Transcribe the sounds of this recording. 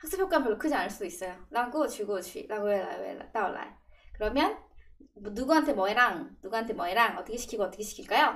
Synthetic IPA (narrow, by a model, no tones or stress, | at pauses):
haks͈ɯpʰjok͈anpjʌɭːokʰɯd͡ʑianɯɭs͈udois͈ʌjolaɡot͡ɕuɡot͡ɕḭlaɡoela̰ḛla̰t͈aolːa̰ekɯɾʌmjʌn | nuɡuɦantʰemʌeɾaŋnuɡuɦantʰe̞mʌeɾaŋʌt͈ʌkʰeɕʰi̥kʰiɡoʌt͈ʌkʰeɕʰi̥kʰiɭk͈ajo